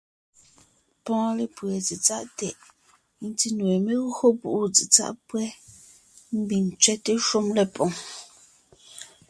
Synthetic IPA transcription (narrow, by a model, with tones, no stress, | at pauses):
pɔ̃˦le˨pwɛ˨t͡si˨t͡sa˦ʔtɛ˨ʔ | n̩˦ti˦nwe˨me˦ɣho˦bu˨ʔu˦t͡si˨t͡sa̰˦ʔpwɛ˦ | m̩˦bi˨n̩˨t͡ʃɥɛ˦te˦ʃo˦mlɛ˨pɔ̃˨ŋ